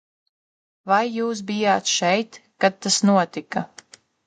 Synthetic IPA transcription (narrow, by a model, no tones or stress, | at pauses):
vajːuːs̬bijaːt̪ʃɛjt̪kat̪̚t̪ːasnuɔt̪ika